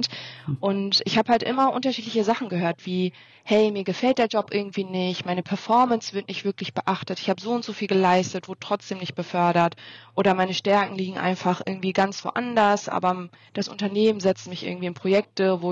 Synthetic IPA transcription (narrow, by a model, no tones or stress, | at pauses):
tʔʊntʔɪçhaːbəhaltʔɪ̰mɐʔʊntɐʃiːtlɪçəzaχn̩ɡəhøːɐtv̥iː | hɛɪmiːɐɡəfɛltd̥eːɐd͡ʒɔpʔɪɐɡŋ̩tv̥iːnɪçtmaɪnəpʰɛɐfɔɐmənsv̥ɪɐtnɪçtv̥ɪɐklɪçb̥əʔaχtətɪçhaːbəzoːʊntz̥oːfiːlɡəlaɪstətv̥oːdətʁ̥ɔt͡sd̥eːmnɪçt̚b̥əfœɐɾɐtʔʔoːɾɐmaɪnəʃtɛɐkŋ̩liːɡŋ̩ʔa̰ɪnfaχʔɪɐɡŋ̩tv̥iːɡant͡sv̥o̰ʔa̰ndɐsʔa̰ːbɐd̥asʔʊ̰ntɐneːmənzɛt͡stmɪçɪ̰ɐɡŋ̩tv̥iːɪnpʁ̥ojɛk̚təvoː